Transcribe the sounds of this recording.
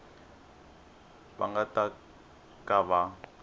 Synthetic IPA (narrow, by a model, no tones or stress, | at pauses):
ba̰ŋɡatʼa | kʼaβa